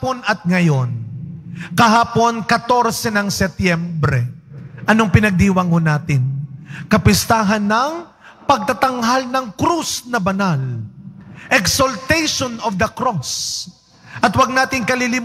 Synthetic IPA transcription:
ponɐt̪̚ŋɐjo̞n | kɐɦaːpo̞nkɐt̪o̞ɾsɛnɐŋsɛt̪jɛmbɾɛʔɐnoŋpɪnɐɡ̚d̪iwɐŋonaːt̪ɪnkɐpɪst̪aːɦɐnːɐŋ | pɐɡ̚t̪at̪ɐŋɦalnɐŋkɾusnɐbɐnal | ʔɛksolt̪ɛjʃonɔvd̪ɐkɾos | ʔɐt̪wɐɡ̚naːt̪ɪŋkɐlilɪm

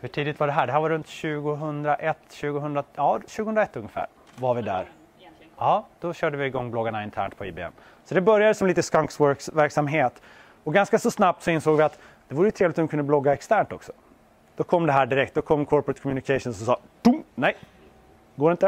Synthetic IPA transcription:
hɵʈʰiːd̪ɪt̪vaɖɛɦæːɖɛɦæɾvaɾɵnt̪ɕʉ̟ːɡʊɦɵnd̪ɾaʔɛt̪ːɕʉ̟ːɡʊɦɵnd̪ɾajɑːɕʉ̟ːɡʊhɵnɾaɛt̪ːɵŋːəfæ̰ːɾ | vaɾvɪd̪æ̰ɾ | ɑːd̪̥ɔɕœːɖəvɪːɡɔŋːblɔɡːaɳaɪnt̪ʰæ̰ːɳʈ̪̚pʰɔḭːbḛːɛ̰m | sɔd̪ɛbœɾjad̪əsɔmliːt̪əskaŋksvœkvæɾksamɦeːt̪ | ɔɡanskasɔsnap̚t̪sɔɪnsoːɡvɪat̪ | d̪̥ɛvuːɾəjʏt̪ʰɾeːvlɪt̪ɔmːkʰɵnəblɔɡːaɛkst̪ʰæːɳʈɔ̰ksɔ̥ | d̪̥ɔkʰɔmːd̪ɛɦæːɖɪɾɛk̚t̪̚d̪ɔkʰɔmːkʰɔɾpɾɛt̪kʰɔmjʉnɪkʰɛʃʊnsɔsɑːt̪ʊmnɛj | ɡoːɾɪnt̪ə

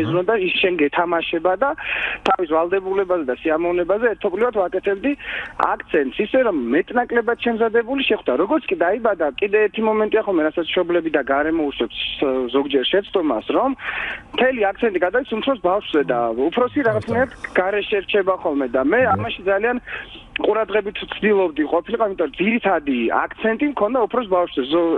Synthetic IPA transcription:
ɛzɾɔd̪aisʃɛnɡɛt̪ʰamaʃɛbad̪at̪ʰavisvalˠd̪ɛbulɛbazɛd̪asiamɔvnɛbazɛːɾt̪ʰɔblivad̪vakʼɛt̪ʰɛbd̪ia̰kʰt̪sʰɛnt̪ʼsisɛɾɔmːɛt̪ʼnakʼlɛbat̪ʃɛmzad̪ɛbuliʃɛχwd̪aɾɔɡɔɾt̪skʼid̪aibad̪akʼid̪ɛːɾt̪ʰimɔmɛnt̪ʼiaχɔlˠmɛɾasat̪sʃɔblɛbid̪aɡaɾɛmɔuʃwɛpszɔɡd͡ʒɛɾʃɛt̪sʰt̪ʼɔmasɾɔmmt̪ʰɛliak̚t̪sʰɛnt̪ʼiɡad̪avit̪sumpʰɾɔsbafʃzɛd̪aupʰɾɔsiɾaʁat̪sʰnajɾat̪ʰɡ̥aɾɛʃɛɾt͡ʃʰɛbaχɔlˠmɛd̪amɛamaʃid̪zalian | qʼuɾad̪ʁɛbit̪ʰt̪sʰd̪ilˠɔbd̪iqʼɔpʰiliqʼɔimit̪ʼɔɾɔd̪ziɾit̪ʰad̪ia̰kʰt̪sʰɛnt̪ʼimkʰɔnd̪aupʰɾɔs̬bafʃzɛzɔ

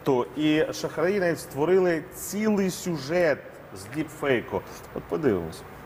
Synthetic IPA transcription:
t̪oiʃɐxɾɐɾinɐit̪ʲst̪ʋɔɾɪlˠɪt͡sʲilˠɪjsʲuʒɛt̪̚ | zʲlʲipfɛjkɔ | ɔt̪̚pɔd̪ɪʋɪ̰mɔ̰sʲɐ̥

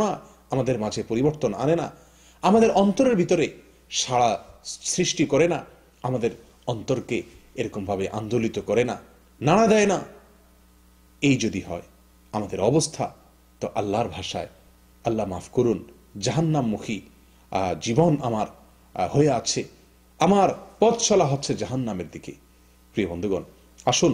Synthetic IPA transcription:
ɽa | amad̪eɾmad͡ʑʱepoɾiboɾt̪ona̰nena̰ | amad̪eɾɔnt̪oɾeɾbʱit̪oɾe | ʃaɽasɾiʃʈikɔɾena | amad̪eɾ | ɔnt̪oɾkeeɾɔkombʱabeʔa̰nd̪olit̪okɔɾena | naɽ̃ad̪aena | ejd͡ʑod̪iɦɔ̰e | amad̪eɾɔbost̪ʰa | t̪ɔʔɐlːaɾbʱaʃae | ɐlːamafkoɾun | d͡ʑaɦanːamːukʰi | d͡ʑibonamaɾ | hoeat͡ɕʰe | amaɾpɔt̪ʃɔlaɦotːɕʰed͡ʑaɦanːameɾd̪ikḛ | pɾijobond̪ʱuɡɔn | aʃun

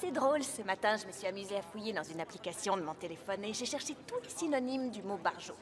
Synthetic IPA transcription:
sɛd̪ʁolsəmat̪ɛ̃ʒəməsɥiamyzeafujed̪ɑ̃zynaplikasjɔ̃d̪əmɔ̃t̪elefɔneʒeʃɛʁʃet̪ulesinɔnimd̪ymobaʁʒo

